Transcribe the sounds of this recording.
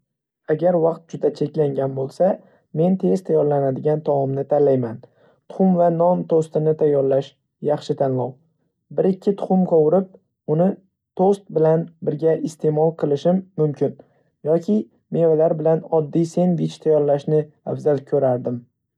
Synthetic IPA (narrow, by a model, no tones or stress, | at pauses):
aɡʲaɾvɑqt̪̚d͡ʒʊd̪at͡ʃʰe̞kʲlaŋɡʲanbolˠsa | me̞nt̪ʰe̞zt̪ʰajɒɾlanad̪ɪɡʲant̪ʰɒmɒmnɪt̪ʰanlajman | t̪ʰʊ̥χʊmvanɒnt̪ʰost̪ɪnɪt̪ʰajːɒɾlaʃ | jɑχʃɪt̪ʰanlɒw | bɪɾɪkʲʰːɪt̪ʰʊ̥χʊmqʰowʊɾɪp̚ | ʊnɪ | t̪ʰost̪̚bɪlanbɪɾɡʲaʔɪst̪ʰe̞mɒlˠqʰɨlˠɪʃɪmːʊmkʲʰɪn | jɒkʲʰɪ | me̞valaɾbɪlanɒd̪ːijse̞nvɪt͡ʃt̪ʰajɒɾlaʃnɪ | afzalkʲʰɵɾaɾd̪ɪm